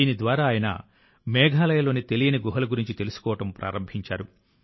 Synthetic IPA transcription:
iːnid̪ʋaːɾaːjɐnɐ̰ | mɛːɡʱaːlɐjɐloːnit̪e̞lijɐniɡuɦɐlɐɡuɾiɲt͡ʃit̪e̞lusu̥kɔːʋɐʈɐmpɾa̰ːɾɐmbʱiɲt͡ʃa̰ːɾu

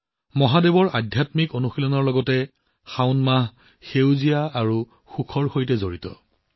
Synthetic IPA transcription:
mɔɦadebɔɹadʱjatmikonuxilɔnɔɹlɔɡɔtɛ | xaʊnmaɦ | xewzijaːɹu | xukʰɔɹxojtɛzoɹitɔ̰

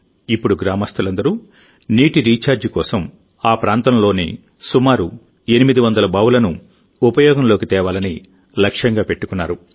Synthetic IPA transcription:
ipːuɽuɡɾaːmɐst̪ʰulɐnd̪ɐɾu | niːʈiɾiːt͡ʃaːɾd͡ʒikɔːsɐm | aːpɾʔaːnt̪ɐmlo̞ːnḭ | sumaːɾu | e̞nimid̪iʋɐnd̪ɐlɐbaːwulɐnu | upɐjɔːɡɐmlo̞ːkit̪ɛːʋaːlɐni | lɐkʂjɐŋɡaːpe̞ʈːu̥kunːaːɾu

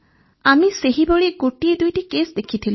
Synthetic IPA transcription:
amiseɦiboɭiɡoʈied̪ujʈikesd̪ekʰit̪ʰili

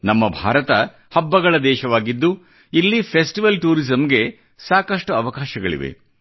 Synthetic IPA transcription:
nɐmːɐbʱa̰ːɾɐt̪ɐ | hɐbːɐɡɐɭɐd̪ɛːʃɐʋaːɡid̪ːu | ilːipʰesʈiʋɐlʈuːɾizɐmɡe̞ | saːkɐʂʈuɐʋɐkaːʃɐɡɐɭḭʋe̞̰

